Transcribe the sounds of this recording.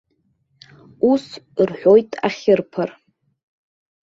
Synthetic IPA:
usrħʷᶣojtʼa̰χʲɪrpʰɨr

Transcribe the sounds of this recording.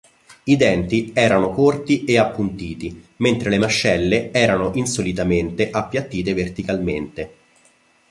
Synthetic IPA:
id̪ɛnt̪iɛːɾanokort̪iʔeapːunt̪iːt̪iment̪ɾelemaʃːɛlːeɛːɾanoʔinsolit̪ament̪eʔapːjat̪ːiːt̪̬evert̪ikalment̪e

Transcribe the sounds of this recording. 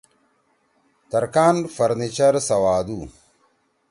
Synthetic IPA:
t̪ɐɾkaːnfɐɾnit͡ʃɐɾsɐwaːd̪u

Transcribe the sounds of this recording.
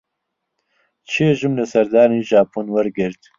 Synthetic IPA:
t͡ʃʰieʒɨmlɨsɐɾd̪aːniːʒaːpʰuːnwɐɾɡɪɾt̪

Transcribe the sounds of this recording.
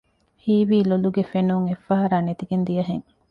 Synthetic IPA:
hiːʋiːloluɡefenuŋefɐɦɐɾaːnet̪iɡend̪ijɐɦeŋ

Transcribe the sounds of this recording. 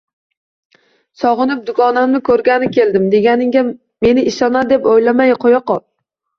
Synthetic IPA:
sɒʁɨnɪp̚d̪ʊkʰɒnamnɪkʰɵɾɡʲanɪkʲe̞ld̪ɪmd̪e̞ɡʲanɪŋɡʲa | me̞nɪɪʃɒnad̪e̞pojlamajqʰojɒqɒl

